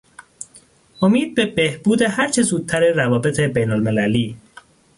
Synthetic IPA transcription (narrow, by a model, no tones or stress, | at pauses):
ʔo̞miːd̪̚be̞be̞hb̥uːd̪eɦæɾt͡ʃʰe̞zuːd̪̥̚t̪ʰæɾe̞rævɒːbe̞t̪ʰebejnolme̞læliː